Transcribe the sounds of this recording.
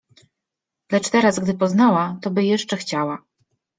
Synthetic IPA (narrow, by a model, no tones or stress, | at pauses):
lɛt͡ʂt̪ɛɾazɡd̪ɘpɔznawat̪ɔbɘjɛʂt͡ʂɛxt͡ɕawa